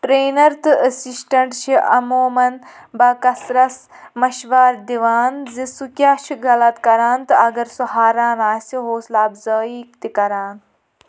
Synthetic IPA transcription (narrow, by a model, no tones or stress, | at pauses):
ʈɾeːnɐɾt̪ɨʔəsisʈɐɳʈʃʰiʔɐ̰moːmɐn | bɐkɐsɾɐs | mɐʃʋaːɾd̪iʋaːnzisukʲjaːʃʰiɡɐlɐt̪kɐɾaːnt̪ɨɐɡɐɾsuɦaːɾaːnaːsʲiɦoːslaːbzɐːiːkt̪ikɐɾaːn